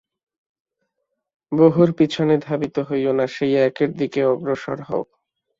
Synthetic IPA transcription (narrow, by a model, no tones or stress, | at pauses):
boɦuɾpit͡ɕʰoned̪ʱabit̪oɦojonaʃejɛkeɾd̪ikeɔɡɾoʃɔ̰ɾɦɔ̰o